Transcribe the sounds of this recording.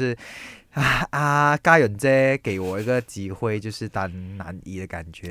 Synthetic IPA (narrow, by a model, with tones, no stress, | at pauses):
ʂɻ̩˥˩a˧˩a˧˩ka˥jɥə˨˩nt͡sɛ˥ke˨˩ɪwɔ˨˩i˧˥ɡə˨t͡ɕi˧˥xwe˥˧ɪt͡ɕjo˥˧ʊʂɻ̩˥˧t̪a˧nna̰˧˥ni˥d̪ə˨˩ka̰˨˩nt͡ɕɥɛ˧˦